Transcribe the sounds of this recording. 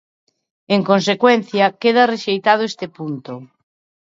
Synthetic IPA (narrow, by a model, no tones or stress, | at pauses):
eŋkons̬ekwen̟θjɐkeð̞ɐreʃejt̪að̞ʊest̪epunt̪o